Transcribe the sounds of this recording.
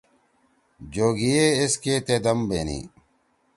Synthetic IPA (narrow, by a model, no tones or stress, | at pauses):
d͡ʑoːɡieeskeːt̪eːd̪ɐmbḛːnḭː